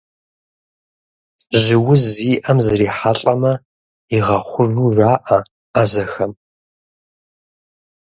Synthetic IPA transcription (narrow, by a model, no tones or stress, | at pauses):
ʒɪwʊziːʔɐmzɨɾiːħaɬʼɐmɐ | iʁɐχʷʊruːraːʔɐ | azɐxɐm